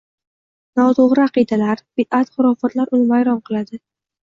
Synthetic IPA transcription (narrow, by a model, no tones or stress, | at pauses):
nɒt̪ʰoʁɾɪaɑqɨd̪alaɾb̥ɪd̪at̪χʊɾɒfat̪laɾʊlmajɾɒmqʰɨlˠad̪ɪ